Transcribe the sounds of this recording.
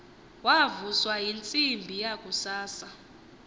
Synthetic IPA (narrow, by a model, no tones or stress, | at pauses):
wavuswajint͡sʼimbʱijakʼusaːsa